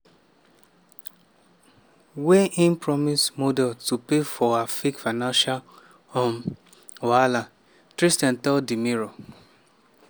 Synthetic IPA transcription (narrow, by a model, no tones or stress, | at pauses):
weʔĩnpɹɔmismodɛltupefɔafikfanãnʃal | ɔm | oala | tɾistɛ̃ntɔdimiɾo